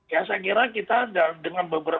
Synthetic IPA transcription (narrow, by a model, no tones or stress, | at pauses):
bias̬ak̬iɾakit̪aːdadəŋanbəbəɾa